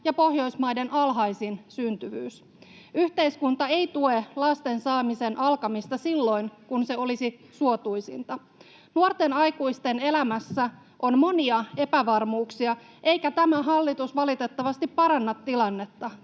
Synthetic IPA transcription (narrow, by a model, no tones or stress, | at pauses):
jɑpo̞hjo̞jsmɑjde̞nʔɑlɦɑjsinsynt̪yʋy̰ːs | yht̪e̞jskunt̪ɑejt̪ue̞lɑst̪e̞nsɑːmise̞nʔɑlkɑmist̪ɑsilːo̞jnkunse̞o̞lisisuo̞t̪ujsḭnt̪ɑ | nuort̪e̞nɑjkujst̪e̞ne̞læmæsːæ | ʔo̞nmo̞niɑe̞pæʋɑrmuːksiɑ | ʔe̞jkæt̪æmæɦɑlːit̪usʋɑlit̪e̞t̪ːɑʋɑst̪ipːɑɾɑnːɑt̪ːilɑnːe̞t̪ːɑ